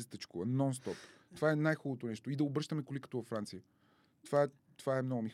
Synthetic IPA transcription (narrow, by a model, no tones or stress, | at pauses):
st̪ət͡ʃkovɐnɔnst̪ɔpt̪ovaɛnajxɔlˠot̪onɛʃt̪oid̪ɐobɾɤʃt̪əmɛkolikə̥t̪ovɐfɾant̪sijə | t̪ovaɛ | t̪ovaɛmnɔɡʊmi